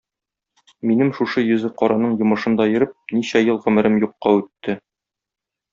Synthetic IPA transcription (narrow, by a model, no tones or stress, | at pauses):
minɘmʃuʃɤjɵ̆zɘqɒɾʔɑnɤɴjŏmɤ̆ʃɤ̆md̪ɒjɤ̆ɾɤp̚niɕæjɤlˠʁɘ̆mɘ̆ɾɘmjuqːɑʉt̪ːɘ